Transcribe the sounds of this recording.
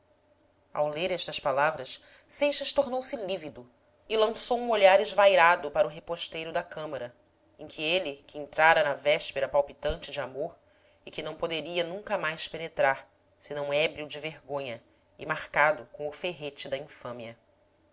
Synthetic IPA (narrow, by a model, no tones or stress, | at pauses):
a̰wleɾɛʃt̪ɐspalavɾɐs | sejʃɐʃt̪oɾnowsɪlivid̪ʊ | ɪlɐ̃sowũoʎaɾɪzvajɾad̪ʊpaɾʊɦepoʃt̪ejɾʊd̪ɐkɐ̃mɐɾɐ | ẽkʰɪelɪkɪẽnt̪ɾaɾɐnɐvɛʃpeɾɐpawpit̪ɐ̃nt͡ʃɪd͡ʒɪamoɾ | ɪkɪnɐ̃w̃pod̪eɾiɐnũŋkɐmajspenet̪ɾaɾ | sɪnɐ̃w̃ɛbɾiwd͡ʒɪveɾɡõɲɐ | ɪ̰maɾkad̪ʊkõw̃ʊfeɦet͡ʃɪd̪ɐĩfɐ̃miɐ